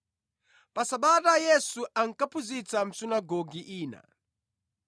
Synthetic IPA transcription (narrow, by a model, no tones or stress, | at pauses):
pasaɓatajɛsuʔaŋkapʰuzit͡sam̩sinaɡɔɡiʔiːna̰